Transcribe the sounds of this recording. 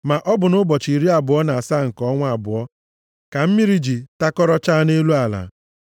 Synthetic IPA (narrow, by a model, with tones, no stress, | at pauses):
ma˨ʔɔ˦bʊ˨nʊ˦bɔ˨t͡ʃi˨ɾi˦a˨bʊ˨ɔ˦na˨a˨sa˦ŋ̩˨kɔ˦ŋʷ˦a˨bʊ˨ɔ˦ | ka˨m̩˦mi˦ɾi˦d͡ʒi˨ta˦kɔ˦ɾɔ˦t͡ʃa˦ne˦lu˦a˨la̰˨